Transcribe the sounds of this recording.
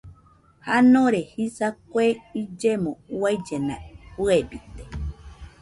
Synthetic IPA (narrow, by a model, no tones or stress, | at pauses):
hanõɾehisakweid͡ʒemõwajd͡ʒenã̰huebit̪e̥